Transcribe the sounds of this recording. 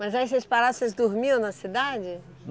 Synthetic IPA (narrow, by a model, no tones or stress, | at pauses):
mɐzaisɐspaɾasezd̪oɾmiɐ̃w̃nɐsid̪ad͡ʒɪ